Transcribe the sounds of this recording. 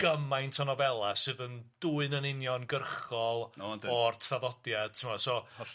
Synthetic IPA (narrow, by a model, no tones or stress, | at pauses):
ɡ̥əmajntʰɔnɔvɛlˠasɨːðənd̥uːɨnənɪnjɔnɡərχɔlˠdɔrtʰraðɔdjad̥̚tʰɪmɔsɔ